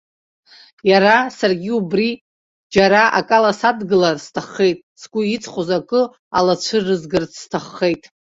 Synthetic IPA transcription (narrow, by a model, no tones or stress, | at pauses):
jaɾasarɡʲiubri | d͡ʒaɾaʔa̰kʼalasadɡɨlarstʰaχːe̞jtʼsɡʷʼʊit͡sʼχʷozakʼɨ | a̰lat͡ɕʷʰɨrɨzɡɨrt͡sʰstʰaχːe̞jtʼ